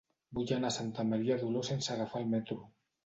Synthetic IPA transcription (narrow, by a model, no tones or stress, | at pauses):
buʎanasant̪amaɾiaðulosensaɾafalmet̪ɾu